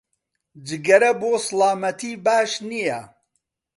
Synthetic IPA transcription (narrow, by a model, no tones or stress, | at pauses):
d͡ʒɨɡɐɾɐboːsɨlaːmɐt̪ʰiːbaːʃnijɐ